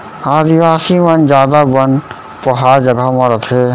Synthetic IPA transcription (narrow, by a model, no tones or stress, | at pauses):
aːd̪iʋaːsimɐnd͡ʒjaːd̪abən | pəɦaːɾd͡ʒəɡamɐ̃ɾət̪ʰe